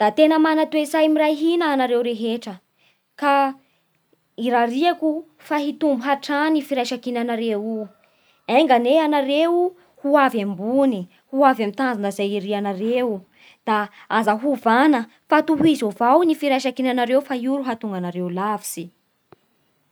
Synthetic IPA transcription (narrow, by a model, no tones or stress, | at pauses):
d̪̥at̪enəmanat̪wezajmiɾajɦinaːnaɾewɾeɦeʈ͡ʂə | ka | iɾaɾiaku | faɦit̪umbuɦaʈ͡ʂanifiɾajʃakinanaɾewu | aŋɡaneanaɾeu | huavambuni | huavamit̪and͡zanəzajiɾianaɾewu | d̪̥aazaɦuvanə | fat̪uɦizovawnifiɾajʃakinanaɾewfajuɾuɦat̪uŋɡanaɾeulavi̥si